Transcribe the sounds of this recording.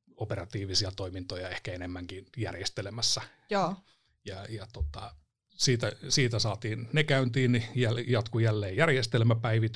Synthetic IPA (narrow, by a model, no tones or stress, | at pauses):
operɑt̪iːʋisiɑt̪oimint̪ojɑehkæenemːæŋkinjæ̰rjest̪elemæsːæ | joː | jɑjɑt̪ot̪ɑ | siːt̪æsiːt̪æsɑːt̪iːnnekæynt̪iːnnijæljɑt̪kujælːeːjærjest̪elmæpæiʋit̪